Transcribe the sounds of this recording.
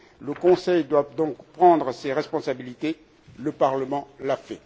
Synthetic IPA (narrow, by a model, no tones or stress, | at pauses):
ləkɔ̃sɛjd̪wad̪ɔ̃kpχɑ̃d̪ʁəseʁɛspɔ̃sabilit̪e | ləpaʁləmɑ̃lafɛ